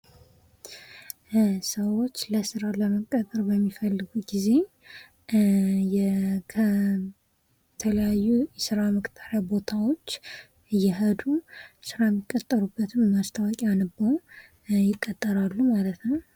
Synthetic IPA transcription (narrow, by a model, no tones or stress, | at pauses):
səwo̞t͡ʃːləsɨɾaləməkʼːət̪ʼəɾbəmːifəlːɨɡuɡize̞ | jɛkʰə | t̪ʰələjajːujɛsɨɾaməkʼt̪ʰaɾjabo̞t̪ʰawo̞t͡ʃː | ɨjɛɦəd̪usɨɾaɛmːikʼːət̪ʼːəɾubːət̪ʰɨmmast̪ʰəwakʼianɨbə | jɪkʼːət̪ʼːəɾalːumalət̪nəw